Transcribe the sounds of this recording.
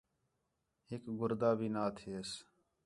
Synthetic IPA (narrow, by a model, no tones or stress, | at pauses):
ɦɪkɡʊɾd̪aːbʱiːnaːt̪ʰies